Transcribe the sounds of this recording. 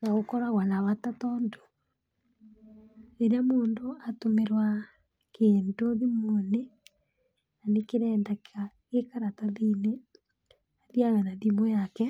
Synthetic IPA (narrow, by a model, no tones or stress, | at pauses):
naɣokɔɾaɣwanaβatatɔndo̥ | eɾamoːndoatomeɾwa | kʰeːndoðimone | nanekeɾɛːndaka | ekaɾataðine | aðiaɣanadimojakɛ